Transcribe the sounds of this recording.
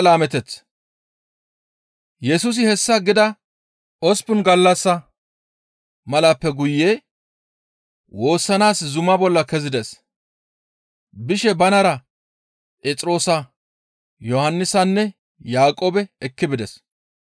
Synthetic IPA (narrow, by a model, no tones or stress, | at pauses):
laːmɛt̪ɛt͡s | jɛsʊs̬ɪhɛsːɐɡɪd̪ɐ | ɔspʊnɡɐlːɐsːɐ | mɐlɐpːɛɡʊjːeː | wo̞ːsːɐnaːszʊmɐbɔlːɐkɛzɪd̪ɛs | bɪʃɛbɐnɐɾɐ | pʼeːt͡sʼɾo̞ːsɐ | jɔhɐnːɪsɐnːɛ | jaːkʼoːbɛɛkːɪbɪd̪ɛs